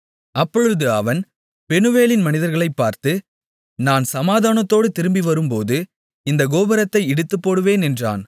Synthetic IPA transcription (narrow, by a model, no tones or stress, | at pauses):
ɐpːɔɻɯðɯɐʋɐn | pɛnɯʋeːlɪnmɐnɪðɐɾɣɐɭɐɪpːaːɾt̪ɯ | naːnsɐmaːðaːnɐt̪ːoːɽɯt̪ɪɾɯmbiʋɐɾɯmpoːðɯ | ɪnd̪ɐɡoːbɐɾɐt̪ːɐɪɛɽɯt̪ːɯpːoːɽɯʋeːnɛndra̰ːn